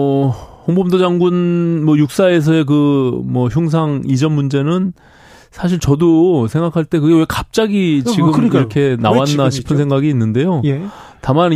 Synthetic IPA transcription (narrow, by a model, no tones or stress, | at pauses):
hoŋbʰomdod͡ʑaŋɡunmwʌjuk̚s͈ae̞s̬ʰʌe̞k̬ɯmwʌçjuŋs̬ʰaŋid͡ʑʌnmund͡ʑe̞nɯn | sʰaɕ̬ʰiɭt͡ɕʌdosʰeŋɡakʰaɭt͈e̞kɯɡe̞we̞kap̚t͡ɕ͈aɡit͡ɕiɡɯkɯɾʌkʰe̞nawanːaɕʰi̥pʰɯnsʰe̞ŋɡaɡiːnːɯnde̞joj | taman